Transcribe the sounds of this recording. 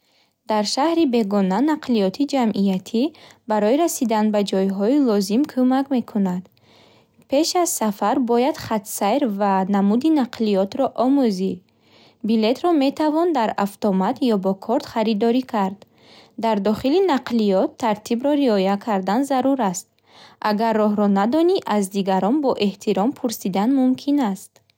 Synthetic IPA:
d̪̥aɾʃahɾibe̞ɡɔnanaqʰliɔt̪ʰid͡ʒamʔijat̪ʰibaɾɔiɾasid̪anbad͡ʒɔjɦɔilɔzimkʰumakme̞kʰunad̪ | pʰe̞ʃaz̥safaɾbɔjad̪̥χat̪sajɾvanamud̪inaqʰlijɔt̪ɾɔʔɔmuzi | bile̞t̪ɾɔme̞t̪ʰavɔnd̪aɾaft̪ɔmat̪ʰjɔbɔkʰɔɾt̪χaɾid̪ɔɾikʰaɾd̪ː | aɾd̪ɔχilinaqʰliɔt̪ʰːaɾt̪ʰibɾɔɾiɔjakʰaɾd̪anzaɾuɾast̪̚ | ʔaɡarːɔɦɾɔnad̪ɔniʔazd̪iɡaɾɔnbɔʔe̞ht̪ʰiɾɔmpʰuɾsid̪anmumkʰinast̪

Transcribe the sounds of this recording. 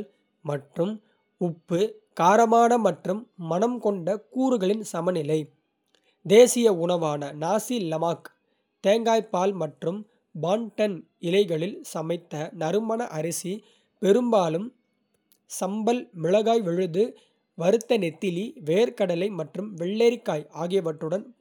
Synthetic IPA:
mɐʈrɯm | ʊpːɯ | kaːɾɐmaːnɐmɐʈrɯmːɐnɐmkɔɳɖɐkuːɾɯɣɐɭɪnsɐmɐnɪlɐɪ | d̪eːsɪjɐʊɳɐʋaːnɐnaːsilɐmaːk | t̪eːŋɡaːjpːaːlmɐʈrɯm | baːɳʈɐn | ɪlɐɪɣɐɭɪlsɐmɐɪt̪ːɐnɐɾɯmɐnɐʔɐɾɪsi | pɛɾɯmbaːlɯm | sɐmbɐlmɪɻɐɣaːjʋɛɻɯðd̪ɯ | ʋɐɾɯt̪ːɐnɛt̪ːɪliʋeːɾkɐɽɐlɐɪmɐʈrɯmʋɛɭːeːɾɪkːaːjaːɣɪjɐʋɐʈːɯɽɐn

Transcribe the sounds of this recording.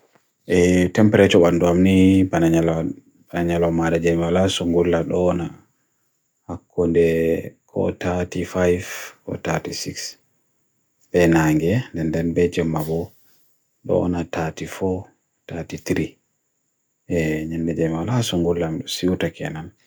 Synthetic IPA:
ʔɛtɛmpɛɾɛt͡ʃɔɓandɔamnibanaɲal | banaɲalɔmadad͡ʒɛmiwalasɔŋɡulːaɗɔna | hakːɔndɛkʰɔ̰tatifajvkɔ̰tatisiks | bɛnaŋɡɛndɛndɛnbɛd͡ʒɛmːabɔ | ɗɔ̰natʰatifɔ | tatit̪ɾi | ɛɲandɛd͡ʒɛmwalasɔŋɡulːamɗɔsiwtakʰɛ̰nan

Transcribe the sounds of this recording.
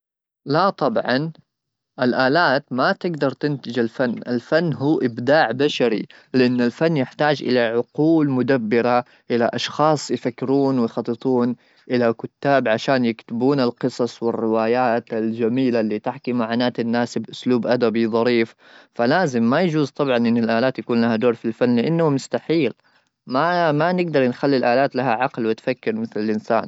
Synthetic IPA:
lat̪ˤɑbʕɑ̰n | ʔɪlʔaːlaːt̪mat̪ɪɡd̪ɑɾˤt̪ɪnt̪ɪd͡ʒalfanːʔa̰lfanːɦuːʔɪbd̪aːʕbaʃaɾḭ | lɪʔanːalfanːjɪħt̪aːd͡ʒʔɪ̰laʕʊquːlmʊd̪abːɪɾa | ʔɪlaʔɑʃxɑːsˤjfakːɪɾuːnwɪjxɑt̪ˤːɨt̪ˤuːn | ʔɪlakʊt̪ːaːbʕaʃaːnjɪkt̪ɪbuːnalqɨsˤɑsˤwɪrːɪwaːjaːt̪ald͡ʒamiːlalːiːt̪ɪħkimaʕaːnaːt̪anːaːsbʔʊsluːbʔad̪abiðˤɑɾiːf | falaːzɪmːajad͡ʒuːzt̪ˤɑbʕɑnʔɪnːɪlʔaːlaːt̪jakuːnlahad̪oːɾfilfanːlɪʔanːahmʊst̪aħiːl | mamanɪɡ̚d̪ɑɾˤnxalːilʔaːlaːt̪laɦaʕɑqlwɪt̪fakːɪɾmɪθlɪlʔɪnsa̰ːn

